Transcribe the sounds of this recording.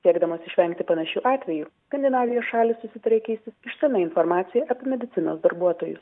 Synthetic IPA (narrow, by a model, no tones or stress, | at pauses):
sʲiɛɡd̪ɐmoːsɪʃʲʋʲɛŋʲkt̪ʲɪpɐnɐʃʲuːʔɑːt̪ʲʋʲɛjuːskɐnd̪ʲɛnɑːʋʲɪjoːsʃɑːlʲɪssʊsʲɪt̪ɐɾʲeːkʲɛɪsʲt̪ʲɪsɪʃʲt̪ʲɪlʲnɐɪnfɔɾmɑːt̪sʲɪjɛʔɐpʲɪmʲɛd̪ʲɪt̪sʲɪno̰ːsd̪ɐɾbuɔt̪oːjʊ̰s